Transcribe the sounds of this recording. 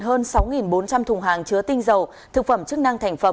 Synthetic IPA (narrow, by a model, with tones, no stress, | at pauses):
nɦəː˧nsa˨˦wŋi˨˩nɓo˨˦nt͡ɕa˧mt̪ʰʊ˨˩ŋ͡mɦaː˨˩ŋt͡ɕɨ˨˦ət̪ï˧ŋ̟zə˨˩w | t̪ʰɨ˨˩k̚fə˧˩mt͡ɕɨ˦˥k̚na˧ŋt̪ʰa˨˩jŋ̟fə˨˧˦